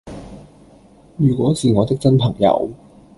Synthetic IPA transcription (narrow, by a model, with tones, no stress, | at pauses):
jyː˨˩kʷɔː˨˥siː˨˧ŋɔː˨˧t̪ɪ˥k̚t͡sɐ˥npʰɐ˨˩ŋjɐ̰˨˧˥w